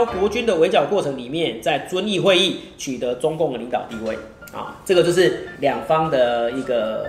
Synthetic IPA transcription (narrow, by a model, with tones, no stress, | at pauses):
kwɔ˧˥t͡ɕy˥nd̪ə˨we˧˥ɪt͡ɕjɑ˨˩ʊkwɔ˥˩ʈ͡ʂʰɤ˧˥ŋli˨˩mjɛ˥˨nt͡sa˥˩ɪt͡swə˦ni˥˧xwe˥˧ɪi˥˩t͡ɕʰy˨˩t̪ə˨˦t͡sʊ˥ŋkʊ˥˩ŋd̪ə˩li˨˦ŋt̪ɑ˨˩ʊt̪i˥˧we˥˩ɪ | a̰˨˩t͡sɤ˥˩ɡə˩t͡ɕjo˥˧ʊʂɻ̩˥˩ljɑ˨˩ŋfɑ˦ŋd̪ə˨i˧˥ɡə˨˩